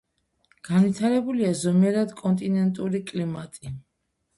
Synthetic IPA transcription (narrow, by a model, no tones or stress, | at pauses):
ɡ̥anvit̪ʰaɾɛbuliazɔmɛɾad̪kʼɔnt̪ʼinɛnt̪ʼuɾikʼlimat̪ʼi